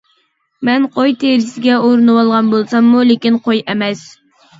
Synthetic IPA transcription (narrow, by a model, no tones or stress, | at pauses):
mɛnqʰojt̪ʰeɾɪsɪɡʲɛoɾɨnɨwɑlˠʁɑnbolˠsɑmːulekʲinqʰojɛmɛs